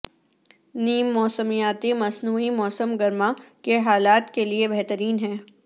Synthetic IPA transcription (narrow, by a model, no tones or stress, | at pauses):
niːmːɔːsəmijaːt̪imɐsnuːimɔːsəmɡɐɾmakeɦaːlaːt̪keliebɛɦt̪əɾiːnɦɛ̃ː